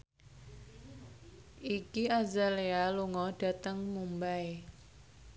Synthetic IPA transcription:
ʔikiazalealuŋɔɖ̥a̤t̪əŋmumbae

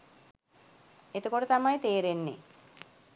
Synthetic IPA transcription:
et̪əkoʈət̪amajt̪eːɾenːḛ

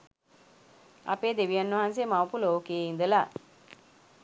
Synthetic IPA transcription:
ɐ̰peːd̪eʋijɐnːəʋɐɦans̬emawpuloːkeːind̪əla

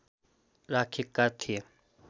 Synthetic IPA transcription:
ɾaːkʰikːat̪ʰie

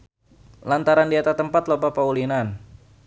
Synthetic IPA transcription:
lant̪aɾandiat̪at̪əmpat̪lopapaulinan

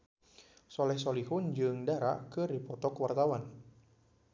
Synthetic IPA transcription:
sɔlɛhsɔliɦʊnd͡ʒɨŋdaɾa̰kɨrdipɔt̪ɔkwart̪awan

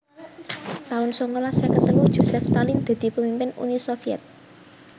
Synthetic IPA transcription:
t̪aʊnsɔŋolasɛkət̪əlud̥ʒ̥o̤sɛft̪alind̪̥a̤d̪̥i̤pəmimpɪnṵnisofiɛ̰t̪̚

